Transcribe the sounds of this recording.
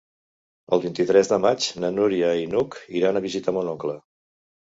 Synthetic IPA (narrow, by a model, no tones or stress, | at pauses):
ə̰lˠβint̪it̪ɾɛzðəmad͡ʒnənuɾiəinukiɾanəβizit̪amunɔŋklə